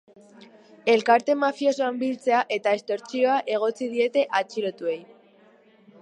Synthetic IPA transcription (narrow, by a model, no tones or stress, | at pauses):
e̞lkaɾt̪e̞mafiosoambilt͡se̞aʔe̞t̪ae̞st̪o̞ɾt͡sio̞aʔe̞ɣ̞o̞t͡sið̞ie̞t̪e̞ʔat͡ʃiɾo̞t̪ue̞j